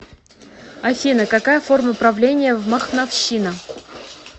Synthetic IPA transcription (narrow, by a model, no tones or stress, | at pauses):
ɐfʲinɨkɐkajəfo̞rməpɾɐvlʲenʲɪjəvməxnɐfɕːinə